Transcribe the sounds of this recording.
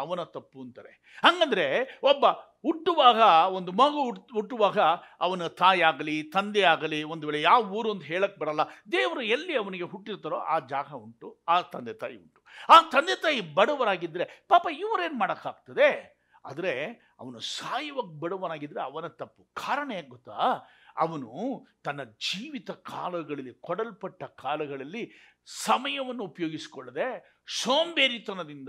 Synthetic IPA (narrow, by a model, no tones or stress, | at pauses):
ɐʋɐnɐt̪ɐpːuɐnt̪ɐːɾḛ | ɦɐŋɡɐnd̪ɐɾe̞obːɐ | uʈːuʋaːɡɐo̞nd̪umɐɡɐuuʈːuʋaːɡɐɐʋɐnɐt̪aːjiaːɡɐlit̪ɐnd̪eaːɡɐliond̪uʋeːɭejaːʋɐuːɾuɐnt̪ɐɦeːɭɐkːebɐɽɐlːɐd̪eːʋɐɾuelːiɐʋɐniɡe̞ɦuʈːiɾt̪aːɾoːʔaːd͡ʒaːɡʱɐuɳʈuaːt̪ɐnd̪et̪a̰ːjḭṵɳʈu̥aːt̪ɐnd̪et̪aːjibɐɽɐʋɐɾaːɡid̪ɾepaːpɐiʋɐɾe̞ːnmaːɽɐkːaːɡ̚t̪ɐd̪e̞ | a̰ːd̪ɐɾe̞ | ɐ̰ʋɐnusaːjɐʋɐkbɐɽɐʋɐɾaːɡid̪ɾeɐʋɐnɐt̪ɐpːu̥kʰaːɾɐɳɐjaːɡɔt̪ːaːɐ̰ʋɐnut̪ɐnːɐd͡ʒiːʋit̪ɐkʰaːlɐɡɐɭɐlːikɔɽɐlpɐʈːɐkʰaːlɐɡɐɭɐlːi | sɐmɐjɐʋɐnːuːpɐjo̞ːɡisi̥kɔɭːɐd̪e | soːmbeːɾit̪ɐnɐd̪ind̪